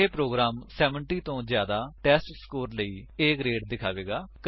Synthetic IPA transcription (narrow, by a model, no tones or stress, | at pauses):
eːpɾoːɡɾaːmsɛːʋəɳʈiːt̪õːzjaːd̪aːʈɛːsʈskoːɾləiːeːkɾeːʈ̚d̪ɪkʰaːʋeːɡaːk